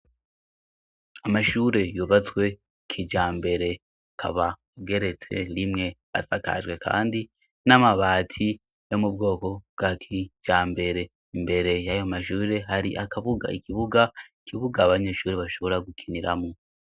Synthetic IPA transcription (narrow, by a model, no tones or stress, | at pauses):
amaʃuːɾe̞juβat͡swe̞ | kʰid͡ʒaːmbe̞ɾe̞ | akʰa̰βa | ɡe̞ɾe̞t͡se̞ɾimŋe̞βa̰saka̰ʒɡwe̞kʰa̰ːndi | namaβaːtʰi | jo̞mub̚ɡo̞ːko̞bɡ̥akʰid͡ʒaːmbe̞ɾe̞ | imbe̞ɾe̞jajomaʃuːɾe̞ɦaɾiʔakaβuɡa̰ikʰiβuɡaikiβuɡaːβaɲe̞ːʃuːɾeβaʃo̞βo̞ɾaɡukʰiniɾamo